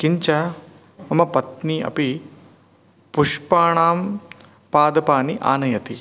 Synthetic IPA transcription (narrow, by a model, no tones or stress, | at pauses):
kiɲt͡ʃɐ | mɐmɐpɐt̪niːɐ̰pi | puʃpaːɳaːm | paːd̪ɐpaːniʔa̰ːnɐjɐt̪i